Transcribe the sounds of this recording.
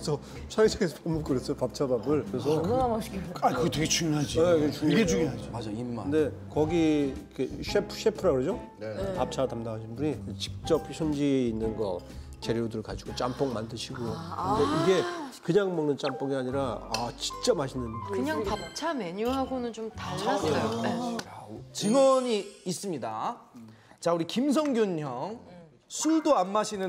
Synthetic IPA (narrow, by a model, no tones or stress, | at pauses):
sʰʌ | sʰaɾisʰaɡesʰʌpomukɯɾes͈ʌjopap̚t͡ɕʰababɯɭkɯes̬ʰʌnnamaɕakɯɡʌtʰweɡet͡ɕuŋjoɦad͡ʑieɡet͡ɕuŋɡed͡ʑuɡinɦad͡ʑiaaɯnde̞ | kʌɡiikʰeɕʰepʰɕʰepʰɯɾakɯɾʌd͡ʑo | pap̚t͡ɕʰatamdaŋɦaɕʰinbuɲikɯt͡ɕi̥k̚t͡ɕ͈ʌp̚ɕʰʌnd͡ʑiːnːɯnɡʌ | t͡ɕeɾjodɯɯɭkad͡ʑiɡot͡ɕ͈amp͈oŋmandɯɕʰiɡokɯnde̞iɡe̞kɯɲaŋmʌŋnɯnt͡ɕ͈amp͈oŋiaɲiɾaat͡ɕi̥k̚t͡ɕ͈ʌbɦaɕʰinɯnkɯɲaŋpap̚t͡ɕʰameɲuɦaɡonɯnt͡ɕomtaasiajo | t͡ɕiŋwʌɲiːs͈ɯmɲida | t͡ɕauɾikims̬ʰʌŋɡjuɲɦjʌŋ | sʰuɭdoanmaɕʰinɯ